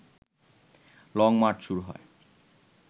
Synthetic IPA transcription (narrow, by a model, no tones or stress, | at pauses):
lɔŋmaɾt͡ɕʃuɾuɦɔ̰e